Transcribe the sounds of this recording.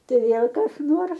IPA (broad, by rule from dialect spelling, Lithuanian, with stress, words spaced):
ˈtɐɪ ˈʋʲeːlˠ kɐs ˈnoːrs